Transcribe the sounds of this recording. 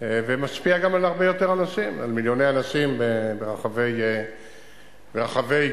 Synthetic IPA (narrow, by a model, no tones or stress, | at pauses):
evemaspiaɡamalaʁbe̞jo̞t̪eʁanasima̰lmiljo̞nejanasimbebeʁaχave̞j | beʁaχave̞j